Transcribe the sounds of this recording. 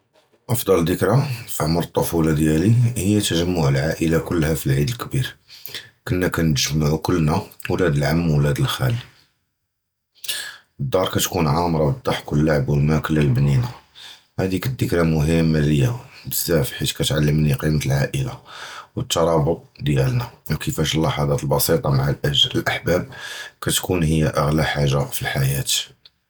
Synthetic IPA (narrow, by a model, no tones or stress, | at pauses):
ʔɑfd̪ˤɑld̪əkɾafiʕmɾˤət̪ˤːofulɑd̪jælihəjːæt̪ːəʒəmːʊʕəlʕaʔəlakʊlːhæfilʕid̪əlkbiɾ | kənːækænəʒmaʕukʊlːnæwlæd̪əlʕamːwlæd̪əlxæ̰li | d̪ˤːɑɾˤkæt̪kunʕɑmɾˤɑbəd̪ˤːɑħkwəlːaʕbwəlmækəlːælbnina | hæd̪ikəd̪ːəkɾamʊɦəmːaləjːabəzːæfħit̪kæt̪ʕalːəmniqimət̪lʕaʔəla̰wət̪ːɑɾˤɑbʊt̪̚ˤd̪jælnæwkəfæʃlːɑħɑd̪ˤɑt̪əlbɑsit̪ˤɑmaʕallʔəħbæb̚kæt̪kunhəjːaʔəɣlæħaʒːafilħajæt̪